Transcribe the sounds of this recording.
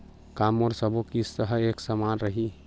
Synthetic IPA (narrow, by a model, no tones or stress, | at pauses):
kamɔɾsəbokisːəɦəeksəmanɾəɦi